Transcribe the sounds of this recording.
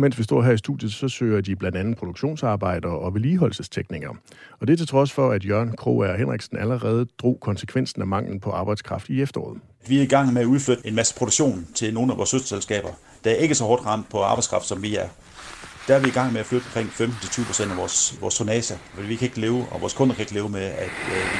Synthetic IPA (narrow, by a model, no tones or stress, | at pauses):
mensʋisd̥ɒ̝ɐ̰ɦæɐ̰isd̥ṵð̥ˠjð̩ˠsɒ̽sø̰ːɐd̥ib̥lænd̥ænð̩ˠpʰʁo̝d̥oɡ̥ɕo̝̰ːnsɑ̈ːb̥ɑ̈ɪ̰d̥ɐɒ̽ʋe̝liːɦɒ̽l̰səst͡sʰeɡ̥niɡ̥ɐ | ɒ̽d̥e̝æɐt͡sʰe̝t͡sʰʁɒ̽sfɒ̽æd̥jɶɐ̰nkʰʁo̝̰æɒɦenʁeɡ̥sn̩æləʁɛːð̞̩ˠd̥ʁo̝̰ːkʰɒ̽nsə̥kʰʋen̰sn̩æmɑ̈ŋ̰ln̩pʰɒ̽ʔɑ̈ːb̥ɑ̈ɪd̥skʰʁɑ̈fd̥iefd̥ɐɒ̰ːð̩ˠ | d̥ʋiæɐiɡ̥ɑ̈ŋ̰meæuðˠflød̥e̝nmæsə̥pʰʁod̥u̥ɕo̝̰ːnt͡sʰe̝lno̝ːn̩æʋɒ̰ːshøsd̥ɐselsɡ̥ɛ̰ːb̥ɐ | d̥ææɐe̝ɡ̥əsɒ̽hɒːd̥ʁɑ̈n̰d̥pʰɒ̽ɑ̈ːb̥ɑ̈ɪskʰɑ̈fd̥sɒ̽mʋiæɐ | d̥æɐʋiiɡ̥ɑ̈ŋ̰meæflød̥ɒ̽mkʰʁeŋ̰femd̥n̩t͡sʰe̝lt͡syːʊpʰʁo̝sen̰d̥æʋɒːsʋɒːst͡sʰonɛːsæfɒd̥ḭʋikʰæe̝ɡ̥əle̝ːʊɒʋɒ̰ːskʰɔ̽nɐkʰæe̝ɡ̥le̝ːʊmeæd̥